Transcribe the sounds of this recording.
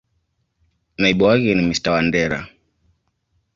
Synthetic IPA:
naiɓuwakɛnimistawandɛɾa̰

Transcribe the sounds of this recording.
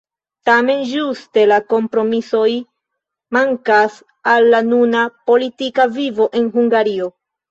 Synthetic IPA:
tame̞nd͡ʒuste̞lako̞mpɾo̞miso̞j | maŋkas | alːanunapo̞litikavivo̞ʔe̞nɦuŋɡaɾio̞

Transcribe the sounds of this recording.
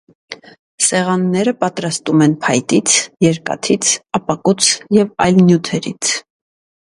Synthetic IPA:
sɛʁɑnːɛɾəpɑt̪ɾɑst̪umɛnpʰɑjt̪it͡sʰjɛɾkɑ̰t̪ʰit͡sʰɑpɑkut͡sʰjɛvɑjlnjut̪ʰɛɾḭt͡sʰ

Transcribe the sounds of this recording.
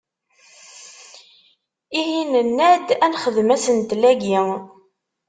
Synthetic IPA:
iɦinənːæd̪ænχəðmæsənt̪læɡi

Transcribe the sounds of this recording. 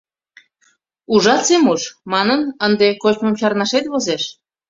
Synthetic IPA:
uʒɑt͡semuʃmɑnənənd̪ekot͡ɕməmt͡ɕɑɾnɑʃet̪βozeʃ

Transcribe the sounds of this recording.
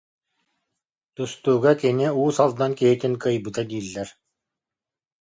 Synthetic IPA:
t̪ust̪uːɡakiniuːsalˠd̪ankiɦit̪inkɯjbɯt̪ad̪iːlːɛɾ

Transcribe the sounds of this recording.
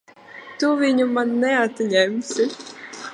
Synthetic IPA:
t̪uvʲiɲumanːɛat̪ʲɲʲɛmʲsʲɪ

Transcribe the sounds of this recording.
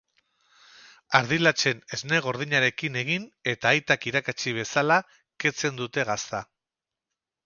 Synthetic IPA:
aɾðilat͡se̞ne̞zne̞ɣ̞o̞ɾðiɲaɾe̞kine̞ɣ̞ine̞t̪aːjt̪akiɾakat͡siβ̞e̞sala | ke̞t͡se̞nd̪ut̪e̞ɣast̪a

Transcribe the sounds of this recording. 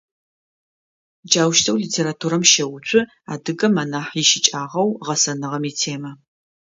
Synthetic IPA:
d͡ʒaːwʃtʰɐwliːtʰeːɾatʰuːɾɐmʃɐwʊt͡ʃʷʼʊ | a̰ːdɨɡɐmanaːħjɪʃɪt͡ʃʼaːʁɐwʁɐsɐnɨʁɐmitʰeːmɐ

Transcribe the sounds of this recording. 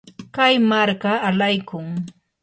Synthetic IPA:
kajmaɾkaːlajkʊŋ

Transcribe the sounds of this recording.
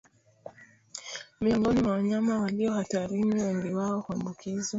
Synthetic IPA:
miɔŋɡɔnimwawaɲamawaliɔhataɾiniwɛŋɡiwaɔhuambukʰiza

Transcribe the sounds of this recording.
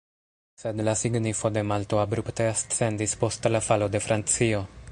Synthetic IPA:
se̞dlasiɡnifo̞de̞malto̞abɾupte̞astt͡se̞ndispo̞stlafalo̞de̞fɾʔant͡sio̞

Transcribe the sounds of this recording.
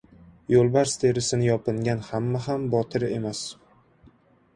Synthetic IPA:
jolˠbaɾst̪ʰe̞ɾɪsɪnɪjɒpɪŋɡʲanhamːaɦambɒt̪ʰɪɾe̞mas

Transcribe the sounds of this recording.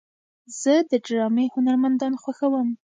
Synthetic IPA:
z̥əd̪əɖɾɑmehʊnaɾmand̪ɑnxwaxawəm

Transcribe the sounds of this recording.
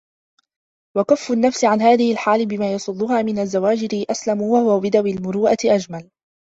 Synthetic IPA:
wakafːʊnːafsɪʕanɦaːðɪhɪlħaːlɪbɪmaːjɑsˤʊd̪ˤːʊɦaːmɪnazːawaːd͡ʒɪɾɪʔaslamʊwahʊwabɪd̪awɪlmʊɾuːʔat̪ɪʔad͡ʒmal

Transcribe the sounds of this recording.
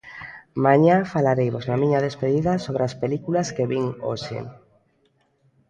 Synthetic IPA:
mãɲafalaɾejβoznamĩɲaðespeðiðasoβɾeaspelikulaskeβiŋo̰ʃḛ

